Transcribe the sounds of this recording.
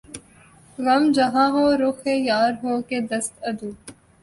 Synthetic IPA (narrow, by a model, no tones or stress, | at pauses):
ɣɐmd͡ʒɐɦãːɦoːɾʊxejaːɾɦoːked̪ɐst̪ɐd̪uː